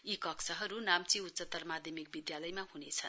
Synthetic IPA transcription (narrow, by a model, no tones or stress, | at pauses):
ikʌksʰʌɦʌɾunamt͡siut̪ːsʌt̪ːʌrmad̪ʱjʌmik̚bid̪jalʌjmaɦunet͡sʰʌn